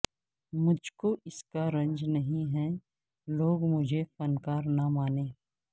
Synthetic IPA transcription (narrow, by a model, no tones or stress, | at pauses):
mʊd͡ʒʱkoʔɪskaɾɐ̃ɲd͡ʒnɐɦĩɦɛ | loːɡmʊd͡ʒʱefɐnkaːɾnɐmaːnẽː